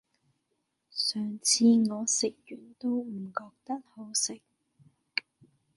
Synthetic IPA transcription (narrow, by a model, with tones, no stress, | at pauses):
sœː˨˩ŋt͡sʰiː˧ŋɔː˨˧sɪ˨k̚jyː˨˩nt̪o˥wm̩˨˩kɔː˧k̚t̪ɐ˥t̚ho˨˥wsɪ˨k̚